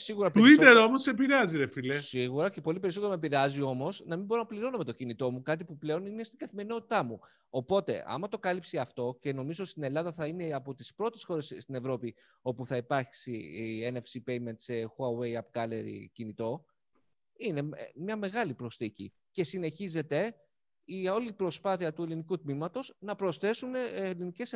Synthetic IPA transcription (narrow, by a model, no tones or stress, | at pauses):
siɣuɾɐpeuiðeɾo̞mosepiɾeɐziɾefilesiɣuɾɐcepo̞lip̬e̞ɾisot̪eɾomepiɾeɐzio̞mo̞snɐmimbo̞ɾonɐpliɾo̞nome̞t̪o̞cinit̪o̞mukɐt̪̬ipuple̞o̞nine̞st̪iɡɐθime̞ɾino̞t̪i̥t̪ɐmu | o̞po̞t̪e̞̰ʔɐ̰mɐt̪o̞kɐlipsiɐft̪o̞ce̞no̞mizoist̪ine̞lɐðɐθɐine̞ɐpo̞t̪ispɾo̞t̪e̞sxo̞ɾe̞sst̪ine̞vɾo̞pi | o̞puθɐipɐɾçsienefsipe̞jme̞nt̪se̞xoɐwe̞jɐpɡɐle̞̰ɾḭcinit̪o̞ | ine̞mɲɐme̞ɣɐlipɾo̞sθicḭ | ce̞sine̞çize̞t̪e̞ | io̞lipɾo̞spɐθiɐt̪ue̞linikut̪mimɐt̪o̞znɐpɾo̞sθe̞sune̞linice̞s